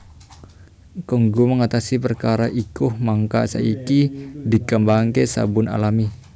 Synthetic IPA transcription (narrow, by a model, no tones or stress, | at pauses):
kəŋɡuməŋat̪asipərkaɾaʔikʊhmaŋka̰sa̰ikidikəmbaŋkesa̰bʊna̰lami